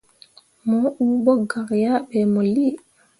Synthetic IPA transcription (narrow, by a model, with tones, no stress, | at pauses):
mɔ˨˦ʔu˦ɓɔ˦ɡa˨kja˦ɓɛ˨mo˨li˦